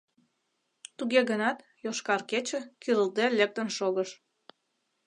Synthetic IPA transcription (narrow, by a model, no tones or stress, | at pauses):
t̪uɣeɣənɑt̪ | joʃkɑrket͡ɕə̆kyɾəlt̪elek̚t̪ənʃoɣəʃ